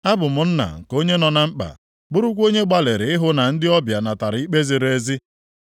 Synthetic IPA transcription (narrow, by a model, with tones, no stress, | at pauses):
a˦bʊ˨mʊ˨n̩˦na̰˨ŋ̩˨ko˦ɲe˦nɔ˨na˨ŋ͡m̩˦k͡pa̰˨ | bʊ˦ɾʊ˦kʷo˦ɲe˦ɡ͡ba˦le˨ɾɪ˨ɪ˦ɦʊ˦na˨n̩˦dɪ˦ɔ˦bja˨na˨ta˨ɾɪ˨˦i˦k͡pe˦zi˨ɾe˦zi˦